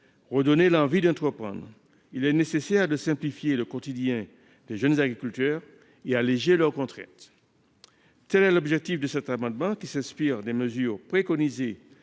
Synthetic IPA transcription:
ʁəd̪ɔnelɑ̃vid̪ɑ̃t̪χəpχɑ̰̃d̪ʁ | ilɛnesesɛʁd̪əsɛ̃plifjeləkɔt̪id̪jɛ̃ | d̪̥eʒənzaɡʁikʲylt̪œʁ | ealeʒelœʁkɔ̃t̪χɛ̰̃t̪ | t̪ɛlɛlɔbʒɛk̚t̪ifd̪əsɛt̪amɑ̃d̪mɑ̃kʲisɛ̃spiʁd̪eməzyːʁpχekɔnize

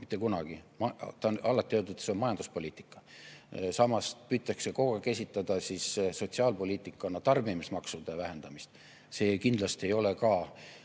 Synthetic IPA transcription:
mit̪ːˑekunɑɡ̥imɑt̪ɑnɑlːɑt̪ːˑiøːd̪ut̪seomɑjɑnd̪̥uspo̞lʲiːt̪ːˑi̥kːˑɑ | sɑmɑspyːt̪ˑːɑkse̞ko̞kɑkesʲit̪ːˑɑd̪̥ɑsisso̞t̪siɑːlpo̞lʲiːt̪ːˑikːˑɑnɑt̪ɑrbimismɑksud̪̥evæɦe̞nd̪̥ɑmist̪ | se̞ːkind̪lɑst̪ie̞jo̞le̞kɑː

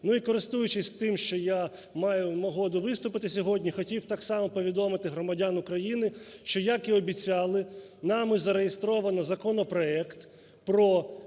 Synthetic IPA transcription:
nuikɔɾɪst̪ujʊt͡ʃɪsʲt̪ɪmʃt͡ʃɔja | mɑjʊmɔɦɔd̪ʊʋɪst̪ʊpɪt̪ɪsʲɔɦɔdʲnʲixɔtʲiwt̪ɑksɑmɔpɔʋʲid̪ɔmɪt̪ɪɦɾɔmɐdʲanʊkɾɐjinɪʃt͡ʃɔjakiɔbʲit͡sʲɑlˠɪ | nɑmɪzɐɾejɪst̪ɾɔʋɐnɐzɐkɔnɔpɾɔɛkt̪ | pɾɔ

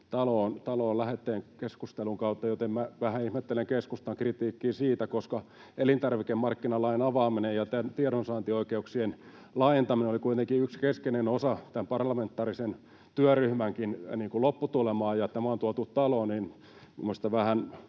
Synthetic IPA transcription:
t̪ɑloːnt̪ɑloːllæhet̪ːeːŋkeskust̪eluŋkɑut̪ːɑjot̪emmæʋæhæihmet̪ːeleŋkeskust̪ɑŋkrit̪iːkːiːsiːt̪ækoskɑ | elint̪ɑrʋikemmɑrkːinɑlɑinɑʋɑːminejɑt̪ænt̪iɛɾonsɑːnt̪ioikeuksien | lɑent̪ɑminenolikuit̪eŋkiykskeskenenosɑt̪æmpɑrlɑment̪ːɑːrisen | t̪yæryhmæŋkinniːŋkulopːut̪ulemɑːjɑt̪æmæont̪uɑt̪utt̪ɑlonin | mṵmːost̪ɑʋæhæn

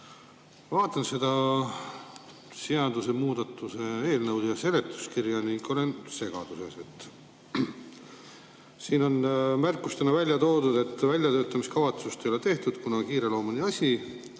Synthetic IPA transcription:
vɑːt̪ːˑɑnse̞d̪ɑ | siɑd̪̥use̞muːd̪̥ɑt̪ːˑuse̞eːlnɤwd̪jɑse̞le̞t̪ːˑu̥skirjɑniŋɡo̞le̞nse̞ɡ̥ɑ̰d̪̥use̞̰se̞t̪ːˑ | siːno̞nmærkːˑust̪enɑvælʲjɑt̪o̞ːd̪ud̪̥e̞t̪ːvælʲjɑt̪øːt̪ːˑɑmiskɑvɑt̪sust̪ejo̞le̞t̪e̞ht̪ud̪̥kunɑkiːɾe̞lo̞ːmɑnʲiɑsʲi

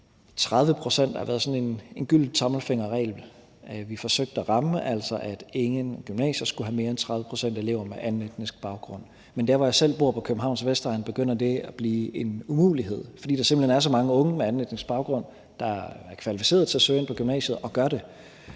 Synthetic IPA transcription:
t͡sʰʁað̞ˠʋəpʰʁo̝sen̰d̥ɑʋæːɐðˠsɒ̽ne̝ne̝nɡ̥yl̰d̥i̥t͡sʰɒ̽ml̩feŋ̰ɐʁɛ̰ːl | ʋifɒ̽søɡ̥̚d̥əɒʁɑ̈məʔæl̰sɒʔæd̥e̝ŋənɡ̥ymnɛ̰ːɕɐsɡ̥uɦæme̝ːɐent͡sʰʁɑ̈ðˠʋə̥pʰʁo̝sen̰d̥e̝le̝̰ʊ̰ɐmeʔænled̥nesɡ̥̚b̥ɑ̈ʊɡ̥ʁɔ̽n̰ | mend̥æɐɒjɑ̈ɪsel̰b̥o̝ɐ̰pʰɒ̽kʰøb̥m̩ɦɑ̈ʊ̰nsʋesd̥ɐlænb̥e̝ɡ̥øn̰ɐd̥e̝æb̥liːe̝numṵːliɦe̝ð̞̰ˠfɒd̥ḭːd̥ɑse̝mbl̩henæɐs̬ɒ̽mɑ̈ŋəɔ̽ŋəmeænled̥neŋsb̥ɑ̈ʊɡ̥ʁɔ̽n̰ | d̥ɑ̈æɐkʰʋælifise̝̰ːɐðˠt͡sʰe̝æsøen̰pʰɒ̽ɡ̥ymnɛ̰ːɕəð̩ˠɒ̽ɡ̥ɶɐɾ̥e̝

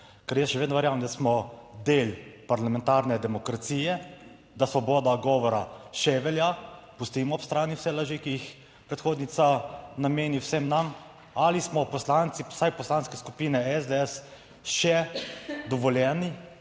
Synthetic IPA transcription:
kɛɾjɛsʃɛʋeːd̪nɔʋɛɾjaːwnd̪asmɔd̪eːlpaɾlamɛ̃nt̪aɾnɛd̪ɛmɔkɾat̪siːjɛ | d̪asʋɔbɔːd̪aɡɔːʋɔɾaʃɛʋɛlja | pust̪imɔɔpst̪ɾaːniwsɛlaʒikijix | pɾɛt̪xoːd̪nit̪sanameːniwsɛmnam | alismɔpɔslant̪sisajpɔslaːnskɛskupiːnɛɛzd̪ɛɛs | ʃɛ | d̪ɔʋɔljɛːni

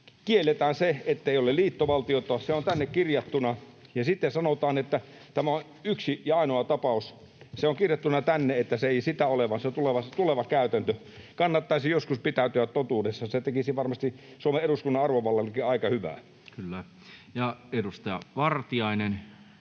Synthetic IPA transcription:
kielːet̪æːnseet̪ːeˑiolelliːt̪ːoʋɑlt̪iot̪ˑoɑːsseont̪ænːekkirjɑt̪ːunɑ | jɑsit̪ːesɑnot̪ɑːnet̪ːæ | t̪æmæon | yksijɑɑˑinoɑt̪ɑpɑˑus | seoŋkirjɑt̪ːunɑt̪ænːeet̪ːæseeˑisit̪æoleʋɑnset̪uleʋɑst̪uleʋɑkæˑyt̪ænt̪ø | kɑnːɑt̪ːɑisijoskuspit̪æˑyt̪yæt̪t̪ot̪uːdesːɑset̪ekisiʋɑrmɑst̪isuomeeɾuskunːɑʔɑrʋoʋɑlːɑlːkiɑˑikɑhyʋæ̰ː | kylːæ | jɑedust̪ɑjɑ̰ʋɑrt̪iɑinen

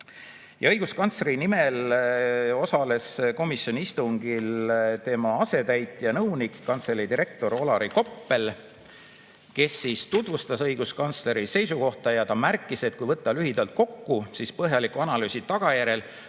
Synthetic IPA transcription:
jɑɤjɡ̥uskɑnt̪sleɾinime̞l | o̞sɑle̞sko̞misjo̞niist̪uŋɡ̥ilt̪e̞mɑɑse̞t̪æjt̪ˑːjɑnɤwnikːɑnt̪slelid̪iɾe̞k̚t̪o̞ɾo̞lɑɾiko̞pːe̞l | ke̞sːist̪ut̪vust̪ɑsɤjɡ̥uskɑnt̪sle̞ɾise̞jsuko̞ht̪ɑjɑt̪ɑmærkːˑise̞t̪̚kujvɤt̪ːˑɑlyɦid̪̥ɑlt̪̚ko̞kːusispɤɦjɑlikuɑnɑlyːsʲit̪ɑɡ̥ɑjæɾe̞l

